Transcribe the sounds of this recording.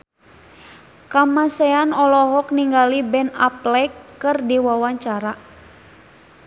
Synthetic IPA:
kamasɛanɔlɔɦɔk̚niŋɡalibɛna̰plɛkːɨrdiwawaɲt͡ʃaɾa

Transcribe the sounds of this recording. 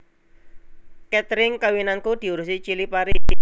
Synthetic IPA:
kɛt̪ɾɪŋkawinankud̪̥i̤uɾusit͡ʃilipaɾi

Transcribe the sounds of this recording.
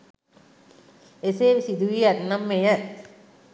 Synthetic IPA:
eseːʋsid̪uʋiætnamːejæ

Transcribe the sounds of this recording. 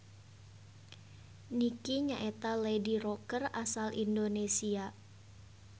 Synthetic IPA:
nikiɲaʔet̪alediɾokərasalʔḭndonesia

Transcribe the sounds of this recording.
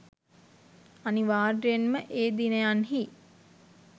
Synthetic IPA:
aniʋaːɖijenməʔeːd̪inəjanɦi

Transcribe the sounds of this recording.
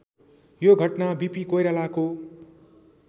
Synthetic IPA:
joɡʱʌʈnabipikojɾalako

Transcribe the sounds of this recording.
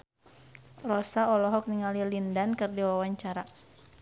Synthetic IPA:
rɔsaɔlɔɦɔk̚niŋalilindankɨrdiwawaɲt͡ʃaɾa

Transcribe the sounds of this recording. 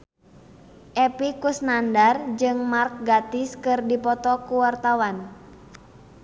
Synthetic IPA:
ʔɛpikusnandard͡ʒɨŋmark̚ɡat̪ɪskɨrdipɔt̪ɔkuwart̪awan

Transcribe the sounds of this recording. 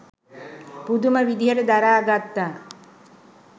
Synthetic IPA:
pud̪uməʋid̪iɦəʈəd̪aɾaːɡat̪ːaː

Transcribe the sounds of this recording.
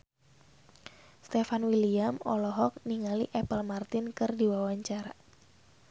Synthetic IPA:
st̪ɛfanwiliamɔ̰lɔɦɔk̚niŋaliʔɛpəlmart̪ɪnkɨrdiwawaɲt͡ʃaɾa

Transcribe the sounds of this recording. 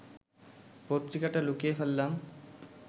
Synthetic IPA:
pot̪ːɾikaʈalukiefelːam

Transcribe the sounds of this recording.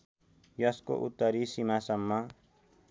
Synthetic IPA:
jʌsko̰ʔut̪ːʌɾisimasʌmːa

